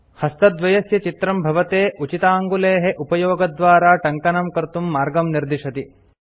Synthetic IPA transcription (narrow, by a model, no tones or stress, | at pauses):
hɐst̪ɐd̪ʋɐjɐsjɐt͡ʃit̪ɾɐmbʱɐʋɐt̪eːʔut͡ʃit̪aːŋɡuleːɦeʔupɐjoːɡɐd̪ʋaːɾaːʈɐŋkɐnɐmkɐɾt̪umːaːɾɡɐmniɾd̪iʂɐt̪i